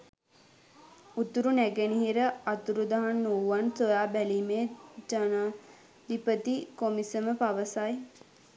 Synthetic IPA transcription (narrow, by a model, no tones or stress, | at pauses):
ut̪uɾunæɡeniɦiɾəat̪uɾud̪aɦanːuːʋansojaːbæliːmeːd͡ʒanaː | d̪ipət̪ikomisəməpaʋəsaj